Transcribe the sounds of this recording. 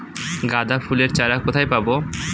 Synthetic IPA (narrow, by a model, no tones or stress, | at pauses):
ɡad̪afʰuleɾt͡ɕaɾakot̪ʰajpabo